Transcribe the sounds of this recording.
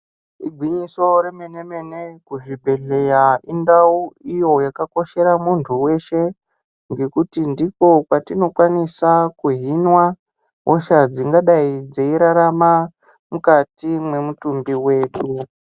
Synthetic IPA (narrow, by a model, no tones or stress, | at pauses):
iɡʱwiɲiso̞ɾe̞mene̞me̞ne̞kuʐibʱe̞ɮe̞jaindauijo̞jakako̞ʃe̞ɾamuntʰuwe̞ʃe̞ | ŋɡe̞kutindiko̞kwatino̞kwanisakuɦinwa | ɦoʃad͡ziŋɡaɗaid͡zeiɾaɾama | mukatimwe̞mutumbiwe̞ːtu